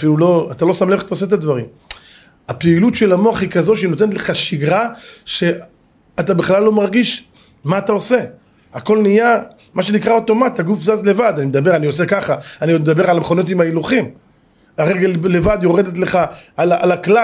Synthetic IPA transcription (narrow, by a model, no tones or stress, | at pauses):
afilulo̞at̪alo̞samleχt̪aoset̪ad̪vaʁim | apeilutʃelamo̞aχhikazo̞ʃino̞t̪̬enet̪le̞χaʃiɡʁaʃe̞ | at̪abeχlalːo̞maʁɡiʃ | maːt̪ao̞se̞ | ako̞lnija | maʃenikʁao̞t̪o̞mat̪aɡufzazle̞vad̪animed̪abe̞ʁaniosekaχaaniomed̪abe̞ʁalameχo̞no̞t̪̬imailuχim | aʁeɡalle̞vad̪jo̞ʁe̞d̪et̪le̞χaalaalakla